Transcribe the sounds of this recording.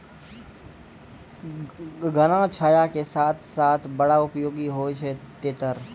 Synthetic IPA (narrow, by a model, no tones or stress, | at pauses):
ɡənãt͡ʃʰaːjakesaːt̪ʰsaːt̪ʰbɐɽaʊpjoːɡiɦot͡ʃʰet̪eːt̪əɾ